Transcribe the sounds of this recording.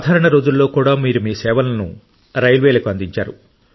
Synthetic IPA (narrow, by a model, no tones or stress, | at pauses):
d̪ʱaːɾɐɳɐɾo̞ːd͡ʒulːo̞ːkuːɽaːmiːɾumiːsɛːʋɐlɐnu | ɾɐjlʋeːlɐkuɐnd̪iɲt͡ʃaːɾu